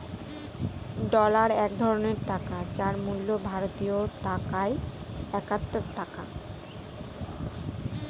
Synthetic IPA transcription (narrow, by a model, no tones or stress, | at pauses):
ɖɔlaɾɛk̚d̪ʱɔɾoneɾʈakat͡ɕaɾmulːobʱaɾot̪ioʈakae | ɛkat̪ːot̪ːaka̰